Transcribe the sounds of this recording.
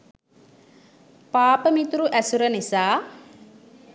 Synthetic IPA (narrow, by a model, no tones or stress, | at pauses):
paːpɐmit̪uɾuʔɐsuɾɐnisaː